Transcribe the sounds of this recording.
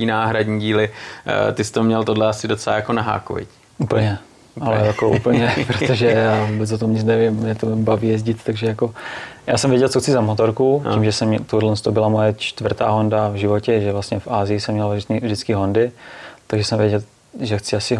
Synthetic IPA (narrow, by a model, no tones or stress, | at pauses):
iːnaːɦɾadɲiːɟiːlɪt̪ɪst̪omɲɛlt̪odlɛasɪdot͡sɛlaːjakonaɦa̰ːko̰vɪ̰c | ʔupl̩ɲɛ | ʔalɛjakoʔṵpl̩ɲɛpɾot̪oʒɛjaːvubɛt͡sot̪omɲɪt͡snɛvɪmmɲɛt̪ombaviːjɛzɟɪt̪t̪aɡʒɛjakoja̰ːsɛmvjɛɟɛlt͡soxt͡sɪzamot̪oɾkuimʒɛsɛmɲɛt̪odlɛnst̪obɪlamojɛt͡ʃt̪vrt̪a̰ːɦo̞ndavʒɪvo̞cɛʒɛvlast̪ɲɛfʔaːzɪjɪsɛmːɲɛlvrit̪nivʒdɪt͡skɪɦo̞ndɪt̪aɡʒɛsɛmvjɛɟɛl | ʒɛxt͡sɪasɪ